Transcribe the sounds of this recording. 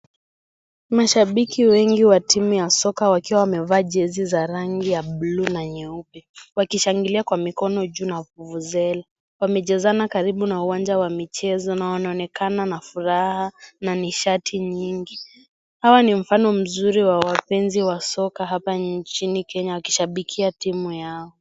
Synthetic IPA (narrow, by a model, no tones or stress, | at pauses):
maʃaɓikiwɛŋɡiwatimujasɔkawakiwawamɛvaːʄɛzizaɾaŋɡijaɓlunaɲɛuɓɛwakiʃaŋɡiliakwamikɔnɔʄuːnavuvuzɛla | wamɛʄɛzanakaɾiɓunauwand͡ʒawamit͡ʃɛzɔnawanaɔnɛkananafuɾahananiʃatʰiɲiŋɡi | hawanim̩fanɔm̩zuɾiwawapɛnziwasɔkaɦapant͡ʃinikɛɲawaki̥ʃaɓikʰiatimujaɔ